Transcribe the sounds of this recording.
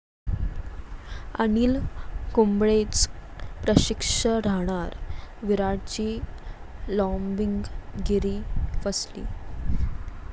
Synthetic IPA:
ə̰niːlkumbɭet͡spɾəɕikʂəɾaɦɽ̃aɾʋiɾaɽt͡ɕiː | lɔmbiŋɡɡiɾiːfəslḭː

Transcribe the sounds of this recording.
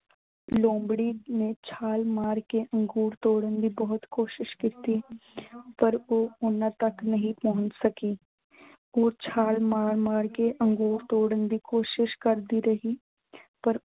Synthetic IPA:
lõːmbɽinet͡ʃʰaːlmaːɾkeʔə̃ŋɡuːɾt̪oːɽənd̪ibɔɦʊt̪koːʃɪʃkit̪i | pəɾoːʊnãt̪əknəɦĩpɔɦʊ̃ɲt͡ʃsəkiː | ɔːt͡ʃʰaːlmaːɾmaːɾkeʔə̃ŋɡuːɾt̪oːɽənd̪ikoːʃɪʃkəɾd̪iɾəɦiː | pəɾ

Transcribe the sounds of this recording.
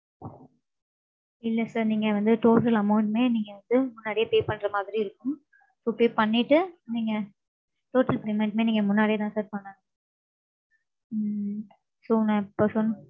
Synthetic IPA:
ɪlːɐsaːɾniːŋɡɐʋɐnd̪ɯʈoːʈɐlɐmɐʊɳʈmeːniːŋɡɐʋɐnd̪ɯmʊnːaːɽɪjɐpeːpɐɳːɾɐmaːðɪɾiɪɾɯkːɯm | soːpeːpɐɳːɪʈːɯniːŋɡɐ | ʈoːʈɐlpɾeːmɐɪɳʈmeːniːŋɡɐmʊnːaːɽɪijɐt̪ãːsɐːɾpɐɳːɐŋ | soːnːãɪpːoːsɔnːɯ

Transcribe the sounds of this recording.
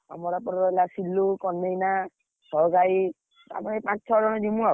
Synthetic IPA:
a̰mɔɾapɔɾɔɔlasilːukɔnːejna | sɔɡaj | a̰maepãt͡ʃt͡ʃʰɔd͡ʒɔñɔdimũa

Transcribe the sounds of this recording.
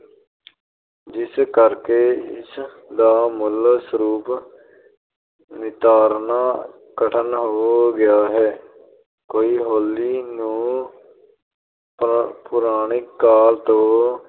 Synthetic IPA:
d͡ʒɪskəɾkeːɪ̰s | d̪aːmʊlsəɾuːp | nɪt̪aːɾnaː | kəʈʰənɦoːɡɪjaːɦɛː | koːiːɦoːlːiːnũː | pʊɾaːɳ̃ɪkːaːlt̪õː

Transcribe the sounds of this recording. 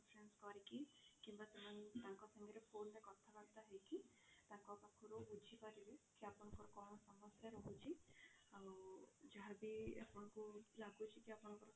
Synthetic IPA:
pʰɾenskɔɾikikĩmbat̪ɔmant̪ãːŋkɔsɔŋɡeɾepʰoːnːekɔt̪ʰabaɡt̪aɦɛjki | t̪ãkɔpakʰuɾobud͡ʒʱipaɾiɾekiapɔnɔ̃ŋkɔɾɔkɔɽ̃ɔsɔmɔsjaɾɔɦut͡ʃʰi | awd͡ʒaɦabia̰pɔnkulaɡut͡ʃʰikiapɔnɔ̃ŋkɔɾɔ

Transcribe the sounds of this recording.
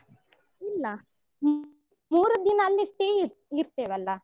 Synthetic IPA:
ilːɐ | m | muːɾud̪inɐːlːisʈeːiɾt̪eːʋɐlːɐ

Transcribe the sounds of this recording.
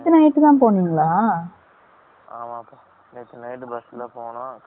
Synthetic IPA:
t̪ːɯnɐɪʈːkãːp̬oːɳiŋɡɐɭaː | aːmãːpo | net̪ːnɐɪʈbɐsɪlɐːpoːnãː

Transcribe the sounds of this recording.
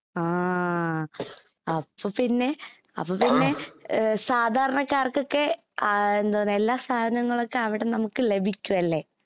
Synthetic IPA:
aː | ɐpːopinːe̞ | ɐ̰pːoːpinːe̞saːd̪ʱaːɾɐɳɐkːaːrkokːe̞ | end̪onelːaːst̪ʰaːd̪ʱɐnɐŋːɐɭokːe̞ɐʋiɽe̞nɐmukːɨle̞bʱikʲːuʋɐlːe̞

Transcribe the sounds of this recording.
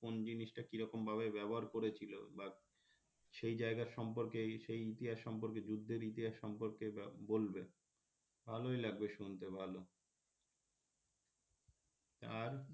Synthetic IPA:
kond͡ʑiniʃʈakiɾɔkombʱaβebɛboɦaɾkoɾet͡ɕʰilo̰ba | ʃejd͡ʑaeɡaɾʃɔmp̬oɾkeʃejit̪iɦaʃːɔmp̬oɾked͡ʑud̪ʱːeɾit̪iɦaʃːɔmpoɾkebolbe | bʱalojlaɡ̚beʃunt̪ebʱalo | t̪aɾ

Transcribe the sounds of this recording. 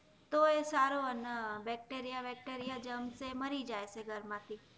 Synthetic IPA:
t̪oesaɾoənəbɛk̚ʈeɾijabɛk̚ʈeɾijad͡ʒəmseməɾid͡ʒajseɡʱəɾmãt̪ʰi

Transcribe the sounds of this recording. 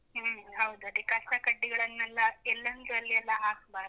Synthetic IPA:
ɦːɦɐwd̪uɐd̪ekɐsɐkɐɖːiɡɐɭɐnːɛlːɐɛlːɐnd̪ɐlːiɛlːɐaːkbaːɾ

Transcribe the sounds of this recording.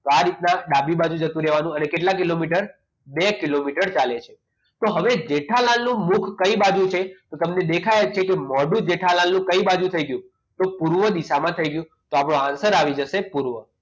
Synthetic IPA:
t̪oaɾit̪naɖabibad͡ʒũd͡ʒət̪ũɾɛʋanũənekeʈlakilomiʈəɾ | bekilomiʈəɾt͡ʃalet͡ʃʰe | t̪oɦəʋed͡ʒeʈʰalalnũmukʰkəibad͡ʒũt͡ʃʰet̪ot̪əmned̪ekʰajt͡ʃʰekemɔɖũd͡ʒeʈʰalãlnũkəibad͡ʒũt̪ʰəiɡəjũ | t̪opuɾʋəd̪iʃamãt̪ʰəiɡəjũ | t̪oapɳoãnsəɾaʋid͡ʒəʃepuɾʋə

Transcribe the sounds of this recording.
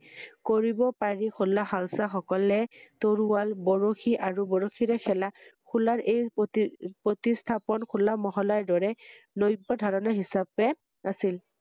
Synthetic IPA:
koɹibɔpaɹikʰulːaxalsaxɔkɔlɛtoɹuwalbɔɹoxiʔaɹubɔɹoxʰiɹɛkʰɛlakʰulaɹʔej | pɹotistʰapɔnkʰulːamɔɦɔlaɹdɔɹɛ | nojbɔdʱaɹɔnaɦisabɛ | asil

